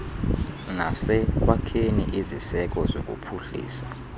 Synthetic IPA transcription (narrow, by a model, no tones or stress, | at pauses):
nasɛk̬ʼwakʰenḭʔizisɛk̬ʼɔzokʼṵpʰuɬḭːsa